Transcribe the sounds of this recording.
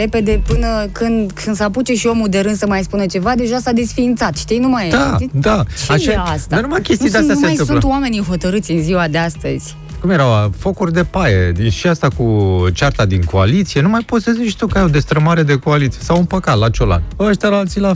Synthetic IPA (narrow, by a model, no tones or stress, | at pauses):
ɾe̞pe̞d̪e̞pɨnəkɨnd̪kʰɨnd̪saput͡ʃeʃio̞mud̪e̞ɾɨnd̪səmajspunət͡ʃe̞vad̪e̞ʒasad̪e̞sfiːnt̪sat̪ʃit̪ijnumajd̪ad̪at͡ʃeaaaast̪d̪aanumakʲest̪ijd̪east̪asenajsɨmũnlt̪wame̞nijɦo̞t̪əɾɨt̪sʲɨnziwad̪east̪əzʲ | kumje̞ɾawfo̞kurʲd̪e̞pajed̪iʃiast̪akut͡ʃart̪ad̪iŋko̞a̰lit̪sie̞numajpo̞sezeʃi̥t̪okajawd̪e̞st̪ɾəmaɾe̞d̪e̞koalit̪sijesawunpəkat̪lat͡ʃola̰oaʃt̪alaalt̪sila